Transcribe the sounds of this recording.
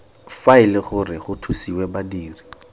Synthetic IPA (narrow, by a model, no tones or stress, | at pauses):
faɪlɪχʊrɪχʊtʰusiwɛbadiːri